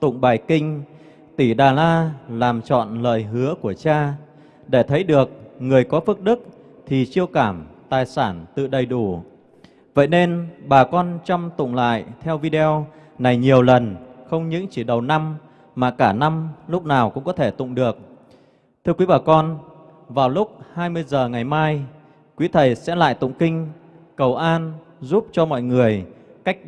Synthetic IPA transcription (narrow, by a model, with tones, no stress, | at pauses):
t̪ʊ̰˧˨ŋ͡mɓaː˨˩jkï˧ŋ̟ | t̪i˧˩ɗaː˨˩laː˧laː˨˩mt͡ɕɔ̰˧˨nlə̰ː˧˨jɦɨ˨˦əku˧˩ət͡ɕaː˧ | ɗe˧˩t̪ʰə˨˦jɗɨ˨˩ək̚ŋɨ˨˩əjkɔ˨˦fɨ˦˥k̚ɗɨ˦˥k̚ | t̪ʰi˨˩t͡ɕi˧əwkaː˧˩mt̪aː˨˩jsaː˧˩nt̪ɨ̰˧˨ɗə˨˩jɗu˧˩ | və̰˧˨jne˧nɓaː˨˩kɔ˧nt͡ɕa˧mt̪ʊ̰˧˨ŋ͡mla̰ː˧˨jt̪ʰɛ˧wvi˧ɗe˧ɔ˧ | na˨˩jɲi˨˩əwlə˨˩nxə˧wŋ͡mɲɨ̰˧˥ŋt͡ɕi˧˩ɗə˨˩wna˧m | maː˨˩kaː˧˩na˧mlʊ˦˥k͡p̚naː˨˩wkʊ̰˧˥ŋ͡mkɔ˨˦t̪ʰe˧˩t̪ʊ̰˧˨ŋ͡mɗɨ˨˩ək̚ | t̪ʰɨ˧əkwi˨˦ɓaː˨˩kɔ˧n | vaː˨˩wlʊ˦˥k͡p̚haː˧jmɨ˧əjzəː˨˩ŋa˨˩jmaː˧j | kwi˨˦t̪ʰə˨˩jsɛ̰˧˥la̰ː˧˨jt̪ʊ̰˧˨ŋ͡mkï˧ŋ̟kə˨˩wʔaː˧n | zu˦˥p̚t͡ɕɔ˧mɔ̰˧˨jŋɨ˨˩əjka˦˥jk̟̚